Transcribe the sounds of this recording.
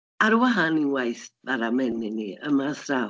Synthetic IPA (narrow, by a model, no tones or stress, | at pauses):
aɾwaɦaninwajθv̥aɾamɛnɪniəmasra